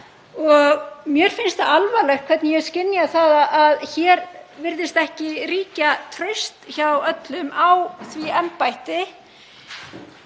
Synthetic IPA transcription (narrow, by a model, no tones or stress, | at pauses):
ɔɣmjɛɾ̥fɪnst̪aalvalɛxkʰvɛt̪nɪjɛscɪnːjaθaðaʔaðçɛɾvɪɾðɪst̪ɛhcɪriːcat̪ʰɾœɥst̪çawœt̪lʏmawθviɛmpajht̪ɪ